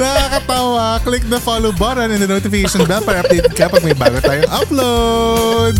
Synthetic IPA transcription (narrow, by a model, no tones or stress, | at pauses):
nɐkakɐt̪awɐklɪk̚d̪ɐfalowbɐɾɐnɪnd̪ɐnot̪ɪfɪkejʃɐnbɛlpːɐɾɐʔɐp̚d̪ejt̪̚kɐpɐɡ̚mɐjba̰ːɡot̪aːjʊŋʔɐplo | d̪̚